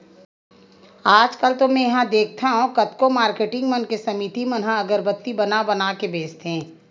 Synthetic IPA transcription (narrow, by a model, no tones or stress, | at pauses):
aːd͡ʒkəlt̪omɛ̃jɐɦãd̪eːk̚ʰt̪ʰaɦũkɐt̪komaːɾkeːʈɪ̃ŋɡmənkesɐmit̪imɐnɦãɐɡəɾbət̪ːibɐnabɐnaːkebeːst̪ẽː